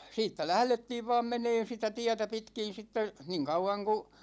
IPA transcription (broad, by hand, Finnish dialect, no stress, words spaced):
siːtːæ læhletːiːʋ ʋɑːm meneːn̞ sitæ tiætæ pitkin̞ sitːe niːŋ kɑuwɑŋ ku